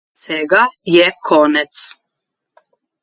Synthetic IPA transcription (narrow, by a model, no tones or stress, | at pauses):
sɛɡajɛkʰonɛt̪s